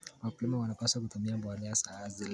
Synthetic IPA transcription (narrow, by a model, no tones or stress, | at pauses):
waplimawanapasak̬utumiabwaniasaazil